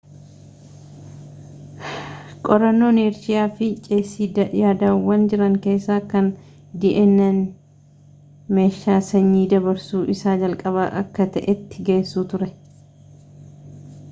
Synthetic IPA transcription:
kʼɔɾɐnːo̞ːneːɾsɪjaːfɪt͡ʃʼeːsːiːɐjaːd̪aːwːɐnd͡ʒɪɾɐŋke̞ːsːaːkɐn | d̪iːʔɛnːɛn | me̞ːʃːaːsɐɲːiːd̪ɐbɐɾsuːʔɪsaːd͡ʒɐlkʼɐβaːʔɐkːɐt̪ɐʔɛt̪ːɪɡe̞ːsːuːt̪ʊɾɛ

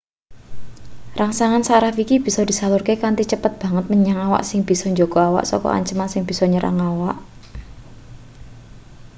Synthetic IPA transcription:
raŋsaŋansaɾafikib̥i̤sɔd̪̥i̤salʊrkekant̪it͡ʃəpət̪̚b̥ä̤ŋət̪̚məɲaŋawa̰ʔsɪŋb̥i̤sɔɲd͡ʒoɡ̥ɔ̤awa̰ʔsɔ̰kɔ̰a̰ɲt͡ʃəmansɪŋb̥i̤sɔɲəɾʔa̰ŋawaʔ

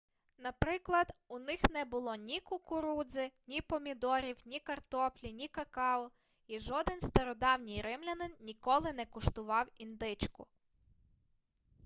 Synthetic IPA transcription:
nɐpɾɪklˠɐd̪ʊnɪxnɛbʊlˠɔnʲikʊkʊɾud̪zɪnʲipɔmʲid̪ɔɾʲiwnʲikɐrt̪ɔplʲinʲikɐkɑɔ | iʒɔd̪ɪnst̪ɐɾɔd̪ɑwnʲijɾɪmlʲɐnɪnnʲikɔlˠɪnɛkʊʃt̪ʊʋɑwind̪ɪt͡ʃkʊ̰

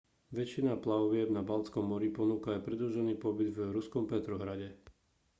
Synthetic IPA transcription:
ʋɛt͡ʃːinaplaʋɪɛbnabalt͡skɔmːɔɾipɔnuːkaːpɾɛd̪uʒɛniːpɔbid̪vɾuskɔmpɛt̪ɾɔɦɾaɟɛ

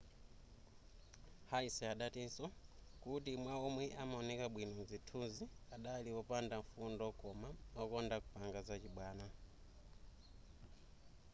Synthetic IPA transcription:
haisɛaɗatinsɔkutimwaɔmwɛʔamaɔnɛkaɓwinɔnzitʰuziaɗaliɔpandaɱfundɔkɔmaɔkɔndakupaŋɡazat͡ʃiɓwaːna

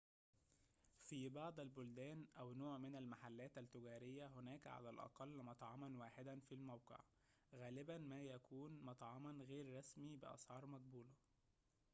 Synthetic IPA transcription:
fibɑʕd̪ˤælbʊld̪æːnʔæwnoːʕmɪnælmaħalːæːt̪ælt̪ːʊɡæːɾɪjːæɦʊnæːkʕa̰lælʔɑ̰qɑlːmɑt̪ˤʕɑmɑnwaːħed̪ænfilmæwqḛʕ | ɣæːlɪbænmæːjækʰuːnmɑt̪ˤʕɑmɑnɣeːɾːˤɑsmibɪʔɑ̰sʕɑːɾˤmæɡ̚buːlɑ

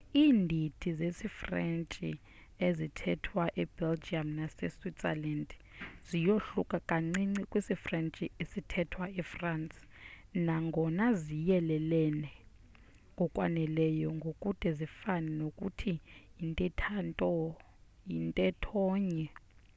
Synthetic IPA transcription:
iːndʱitʰizesifrɛnt͡ʃʼḭ | ezitʰɛtʰwaʔɛbɛld͡ʒiamnasɛ̰switsɛ̰land | zijoɬukʼakʼaŋŋ͡ǀiŋ͡ǀikʼwisifrɛnt͡ʃʼiesitʰɛtʰwaɛfransʼnaŋɡʱɔnazijɛlɛlɛnɛ | ŋɡʱɔkʼwa̰nɛlɛjɔŋɡʱokʼud̥ʱɛzifanɛnokʼṵtʰijintʼɛtʰantʼɔ | jintʼɛtʰɔːɲɛ

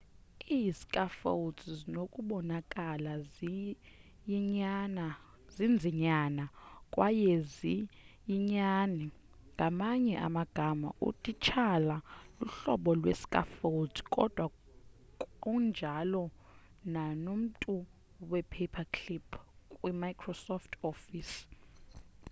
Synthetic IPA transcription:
isi̥kʼafo̰utʰzinokʼuɓɔnakʼala | ɲana | zind͡zʱiɲanakʼwajezijiɲanɛ | ŋɡʱamaɲɛʔa̰maɡ̥ʱama̰ʔṵtʼit͡ʃʰalaluɬɔɓɔlwḛsi̥kʼa̰foldʰikʼɔ̰d̥ʱwa | kʼund͡ʒʱalɔ | nanom̩tʼu | wɛpʰɛpʰakʰlipʰkʼwimajkʰrɔsɔftʰɔfis

